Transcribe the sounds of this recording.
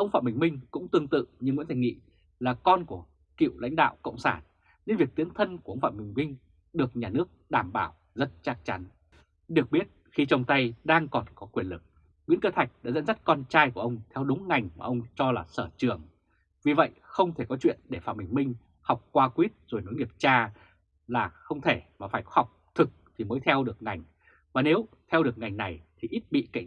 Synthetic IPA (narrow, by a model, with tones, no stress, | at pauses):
ʔə˧wŋ͡mfa̰˧˨mɓï˨˩ŋ̟mï˧ŋ̟kʊ̰˧˥ŋ͡mt̪ɨ˧əŋt̪ɨ̰˧˨ɲɨ˧ŋwḭ˧˥nt̪ʰa˧˩jŋḭ˧˨ | laː˨˩kɔ˧nku˧˩ə | kḭ˧˨wla̰˧˥jŋ̟ɗa̰ː˧˨wkə̰˧˨wŋ͡msaː˧˩n | ɲe˧nvi˨˩ək̚t̪i˨˦əŋt̪ʰə˧nku˧˩ə˧wŋ͡mfa̰ː˧˨mï˨˩ŋ̟mï˧ŋ̟ | ɗɨ˨˩ək̚ɲaː˨˩nɨ˦˥ək̚ɗaː˧˩mɓaː˧˩w | zə˦˥t̚t͡ɕaː˦˥k̚t͡ɕa˨˦n | ɗɨ˨˩ək̚ɓi˦˥ət̚xi˧t͡ɕɔ˧wŋ͡mt̪a˧jɗaː˧ŋkɔ˨˩nkɔ˨˦kwi˧˩ənlɨ˨˩k̚ | ŋwḭ˧˥nkəː˧t̪ʰa˨˩jk̟̚ɗa̰ː˧˥zə̰˧˥nzə˦˥t̚kɔ˧nt͡ɕaː˧jku˧˩əʔə˧wŋ͡mt̪ʰɛ˧wɗʊ˨˦ŋ͡mŋa˨˩jŋ̟maː˨˩ʔə˧wŋ͡mt͡ɕɔ˧laː˨˩səː˧˩t͡ɕɨ˨˩əŋ | vi˨˩və̰˧˨jxə˧wŋ͡mt̪ʰe˧˩kɔ˨˦t͡ɕwḭ˧˨ənɗe˧˩faː˧˩mï˨˩ŋ̟mï˧ŋ̟ | ha˨˩wk͡p̚kwaː˧kwi˦˥ət̚zo˨˩jno˨˦jŋi˨˩əp̚t͡ɕaː˧ | laː˨˩xə˧wŋ͡mt̪ʰe˧˩maː˨˩faː˧˩jkha˨˩wk͡p̚t̪ʰɨ˨˩k̚t̪ʰi˨˩məː˨˦jt̪ʰɛ˧wɗɨ˨˩ək̚ŋa˨˩jŋ̟ | vaː˨˩ne˨˦w | t̪ʰɛ˧wɗɨ˨˩ək̚ŋa˨˩jŋ̟na˨˩jt̪ʰi˨˩ʔi˦˥t̚ɓḭ˧˨ka̰˧˩˨